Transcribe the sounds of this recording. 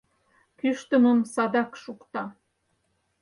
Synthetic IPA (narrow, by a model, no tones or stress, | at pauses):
kyʃt̪ə̆məmsɑd̪ɑkʃukt̪ɑ